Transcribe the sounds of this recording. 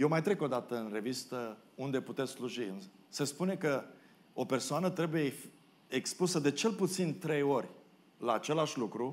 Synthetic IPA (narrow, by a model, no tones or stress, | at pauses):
jewmajt̪ɾe̞ko̞d̪at̪əɨnre̞vist̪əund̪e̞put̪et̪sʲsluʒiɨn | sespune̞kə | o̞pe̞rsoanət̪ɾe̞buje | ekspusəd̪e̞t͡ʃe̞lput̪sint̪ɾe̞jo̞rʲ | laːt͡ʃe̞laʃʲlukɾu